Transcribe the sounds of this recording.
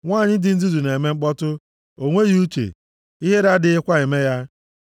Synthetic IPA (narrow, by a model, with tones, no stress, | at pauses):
ŋʷaː˦˨ɲɪ˦dɪ˦n̩˦zu˦zu˨ne˨me˦ŋ͡m̩˦k͡pɔ˦tʊ˦ | o˦ŋʷe˦ɣi˦u˦t͡ʃḛ˨ | i˦ɦe˦ɾa˦dɪ˨ɪ˦kʷa˦ɪ˨me˦ja˦